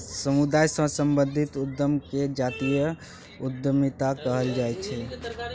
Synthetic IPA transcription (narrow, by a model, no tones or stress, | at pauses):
səmud̪ajsə̃ɦsəmbə̃nd̪ʱit̪ud̪jəmked͡ʒat̪ijə | ud̪əmit̪akəɦəld͡ʒajt͡ʃʰɛ